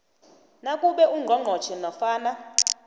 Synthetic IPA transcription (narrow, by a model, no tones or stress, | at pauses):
nakʼuɓɛuŋ͡ǃʱɔŋ͡ǃʱɔ̥t͡ʃʰɛnɔfaːna